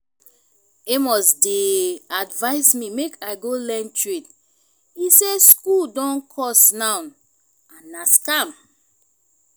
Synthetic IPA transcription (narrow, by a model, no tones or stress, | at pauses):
emɔsdeadvaɪsmimekʰaɪɡolɛ̃ntɹit | iseskuldɔ̃nkʰɔsnãʊ̃n | ãnaskam